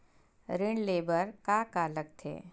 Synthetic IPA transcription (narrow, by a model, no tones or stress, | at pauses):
ɾɪɳɖleːbəɾkaːkaːlək̚t̪ʰḛː